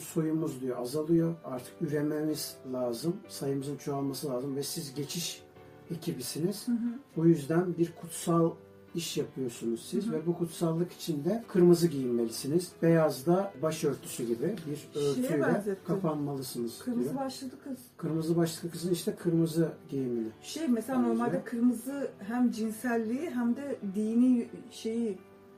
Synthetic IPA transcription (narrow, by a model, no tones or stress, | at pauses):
so̞jumuzd̪yjo̞azalˠɯjo̞aɾt̪ʰɯ̥kyɾe̞memiz̥lʲaːzɯmsajɯmɯzɯnt͡ʃʰoalˠmasɯlˠaːzɯmvɛsizɟe̞t͡ʃʰiʃ | e̞cʰibisiniz̥bujyzd̪ænbiɾkʰut̪salˠ | iʃjapʰɯjo̞sunuz̥sizvɛbukʰut̪salˠːɯki̥t͡ʃʰind̪ɛkʰɯɾmɯzɯɟijinme̞lʲisiniz̥bejazd̪abaʃø̞ɾt̪ʰy̥syɟibibiɾøɾʰyjzɛt̪ːkʰapanmalˠɯsɯnɯzkʰɯɾmziobaʃlˠad̪ɯkʰɯz̥kʰɯɾmɯzɯbaʃlˠad̪ɯkʰɯzɯniʃt̪ʰɛkʰɯɾmɯzɯɟejiminɪʃejmɛselʲanoɾmalʲd̪ɛkʰɯɾmɯzɯɦæmd͡ʒinsælʲːiiɦæmd̪ɛd̪ijniʃe̞ji